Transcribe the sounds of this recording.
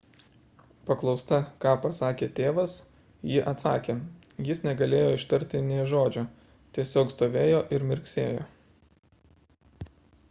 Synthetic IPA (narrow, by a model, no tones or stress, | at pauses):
pɐklˠɒʊst̪ɐkɑːpɐsɑːkʲeːt̪ʲeːʋɐs | jɪʔɐt̪sɑ̰ːkʲeː | jɪsnʲɛɡɐlʲeːjoːɪʃt̪ɐɾʲt̪ʲɪnʲeːʒoːd͡ʒʲo | t̪ʲiɛsʲoːkst̪oːʋʲeːjoːʔɪɾmʲɪɾʲksʲeːjoː